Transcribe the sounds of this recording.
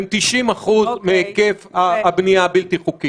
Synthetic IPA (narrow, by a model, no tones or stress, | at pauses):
mt̪iʃimaχuzmeekefaabniabilt̪iχuki